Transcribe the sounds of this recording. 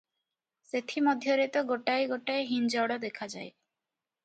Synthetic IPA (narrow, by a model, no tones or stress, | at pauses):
set̪ʰimɔd̪ʱjɔɾet̪ɔɡoʈajɡoʈajɦind͡ʒɔɽɔd̪ekʰad͡ʒaj